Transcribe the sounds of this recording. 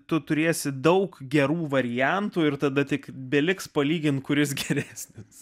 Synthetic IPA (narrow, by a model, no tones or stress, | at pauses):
t̪ʊt̪ʊɾʲeːsʲɪd̪ɐʊkɡʲɛɾuːʋɐɾʲɪjænt̪uːɪrt̪ɐd̪ɐt̪ʲɪkbʲɛlʲɪkspɐlʲiːɡʲɪnt̪kʊɾʲɪs̬ɡʲɛɾʲæːsʲnʲɪs